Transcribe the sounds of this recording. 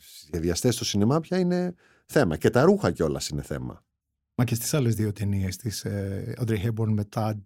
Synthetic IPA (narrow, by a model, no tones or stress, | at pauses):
sizʝeðiɐst̪e̞st̪o̞sinemɐpçɐine̞ | θe̞mɐce̞t̪ɐɾuxɐceo̞lɐ̰sineθe̞̰mɐ̰ | mɐcest̪i̥sɐlezðiot̪eniest̪isɐd̪ɾixeboɾnmet̪ɐd̪̚